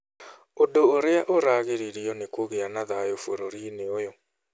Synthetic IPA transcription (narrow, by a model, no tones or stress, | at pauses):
odoːɾeaʔoɾaɣeɾiɾiɔnekoɣeanaðajofoɾoɾineojɔ